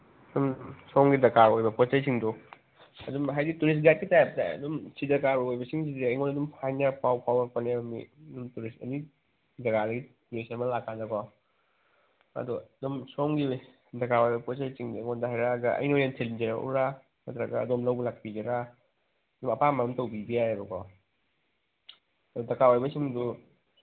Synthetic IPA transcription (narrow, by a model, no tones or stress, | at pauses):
dumsɔŋɡidɐkaɾojbɐpɔt͡ʃɐjsiŋdɔ | ɐdumɦajdituɾis̬t̚ɡat̚kitajap̚taɐ̰dumsidɐkaɾuojbɐsiŋzidiɐjŋonɐdumpʰajnapawpʰawɐpɐnebɐmiɐdumtuɾistɐ̰ni | dɐɡadɐɡituɾisɐmɐlakʰːandakwaw | ɐ̰dɔdɔmsɔŋɡi | dɐkawɔjbɐkɔs̬at͡ʃiŋdŋɔndaɦajɾaɡaʔɐ̰jnojansʰelind͡ʒiɾaʔṵɾa | mɐt̪ɾaɡa̰ɐ̰dɔmlawblak̚bid͡ʒaɾa | dɔmɐpamanɔmtawbibiajaɾukɔ | dɔdɐkawɔjbɐsiŋdu